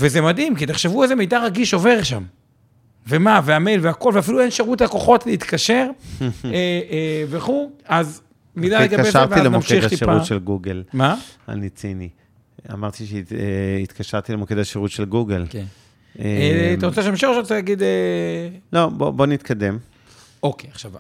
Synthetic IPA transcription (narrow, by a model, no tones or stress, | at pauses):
vezemad̪imkit̪eχʃe̞vuezeme̞jd̪aʁaɡiʃo̞ve̞ʁʃam | vemaveame̞jlveako̞lveafiluenʃeʁutlako̞χo̞tleit̪kaʃe̞ʁeveχuaz | milaleɡabezaʁvailemoamʃiχt̪ipauʃelɡuɡelmaa̰nit͡sini | a̰maʁt̪iʃeeit̪kaʃaʁt̪ilemoked̪aʃeʁut̪ʃelɡuɡelken | et̪aʁot͡seʃamʃiχʃʁot͡sejaɡid̪e | lobobo̞nit̪kad̪em | okeaχʃav